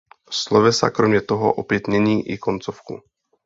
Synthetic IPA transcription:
slovɛsa̰kɾomɲɛt̪oɦo̰ʔopjɛt̪ɲɛɲiːʔɪkont͡sofkṵ

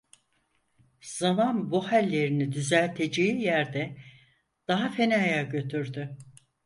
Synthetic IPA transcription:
z̥amanbuhalʲːe̞ɾinid̪yzælʲt̪ʰe̞d͡ʒejijæɾd̪ɛ | d̪̥aɦafe̞najaɟø̞t̪ʰyɾd̪y

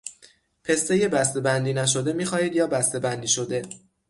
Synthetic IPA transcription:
pʰe̞st̪e̞jebæst̪e̞bænd̪iːnæʃ̬o̞d̪e̞miːxɒːhiːd̪jɒːbæst̪e̞bænd̪iːʃo̞d̪e̞

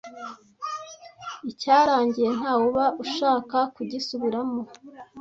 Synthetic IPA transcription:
icaːɾaːɲɟije̞n̥haːwoβaʔuʃaːkakuɟisuβiɾamo

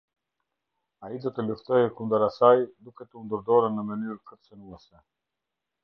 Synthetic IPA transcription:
aid̪ɔt̪əluft̪ɔjɛkund̪əɾasajd̪ukɛt̪əund̪əɾd̪ɔɾənːəmənyɾkət̪sənuɛsɛ

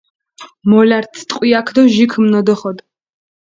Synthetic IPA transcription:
mɔlaɾt̪sʰt̪ʼqʼwiakʰd̪ɔʒikʰmnɔd̪ɔχɔd̪

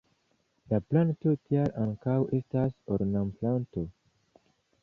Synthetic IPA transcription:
laplanto̞tieɾʔaŋkawestasoɾnamplanto

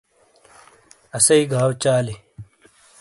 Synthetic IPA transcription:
ɐsɐiɡʱaːwt͡ɕaːli

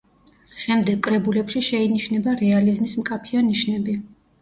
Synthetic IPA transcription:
ʃɛmd̪ɛɡ̚kʼɾɛbulɛpʃiʃɛiniʃnɛbaɾɛalizmismkʼapʰianiʃnɛbi

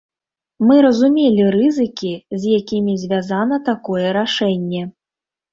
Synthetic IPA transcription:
mɨɾɐzumʲelʲirɨzɨkʲizʲjakʲimʲizʲvʲazanɐt̪akɔjɛɾaʂɛnʲːɛ

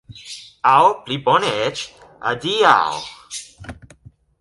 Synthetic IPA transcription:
awplibɔnɛt͡ʃ | a̰d̪ia̰w

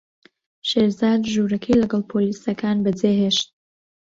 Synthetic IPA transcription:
ʃeːɾzaːd̪ʒuːɾɐkʰejlɐɡɐlˠpʰoliːsɐkʰaːnbɐd͡zeːɦeːʃt̪̚

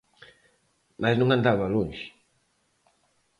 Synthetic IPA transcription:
maznũŋãnd̪aβaluɲʃ

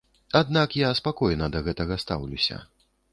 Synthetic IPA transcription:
ad̪̚nakjaspakɔjnɐd̪ɐɣɛt̪ɐɣɐst̪a̰wlʲusʲɐ̰

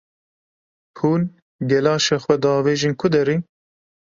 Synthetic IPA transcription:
huːl | ɡɛlɑːʃɛxwɛd̪ɑːveːʒinkʰʊd̪ɛɾi

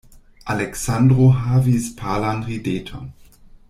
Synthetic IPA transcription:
ʔalɛksandʁoɦaːvispʰaːlanʁideːtʰo̰

